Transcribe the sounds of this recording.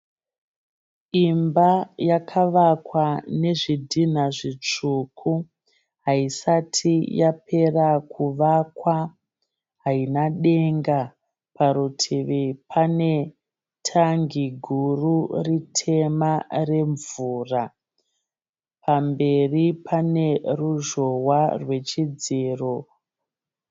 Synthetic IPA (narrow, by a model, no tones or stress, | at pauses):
imbajakʰaʋakwane̞ʐidʱin̤aʐit͡ʂukʰu | ɦaisatʰijapʰe̞rakuʋakwa | ɦainaɗe̞ŋɡa | paɾutʰiʋipʰane̞ | tʰaŋɡiɡʱururitʰe̞mare̞ɱvuːra | pʰambe̞ripʰane̞ruʒo̞warwe̞t͡ʃid͡ziːro